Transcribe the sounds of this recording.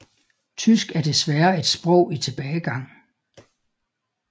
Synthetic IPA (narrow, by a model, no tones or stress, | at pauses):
t͡sʰysɡ̥æɐd̥e̝sʋæɐe̝d̥sb̥ʁɔ̽ʊ̰it͡sʰe̝b̥ɛːɪɡ̥ɑ̈ŋ̰